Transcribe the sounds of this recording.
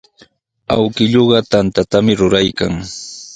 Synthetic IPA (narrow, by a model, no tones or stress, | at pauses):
a̰wkɪʎoɢɑt̪ant̪at̪amɪɾʊɾajkaŋ